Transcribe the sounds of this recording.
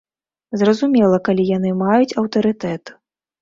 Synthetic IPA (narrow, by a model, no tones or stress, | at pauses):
zrɐzumʲɛlˠɐkalʲijanɨmajut͡sʲɐwt̪ɐɾɨt̪ɛt̪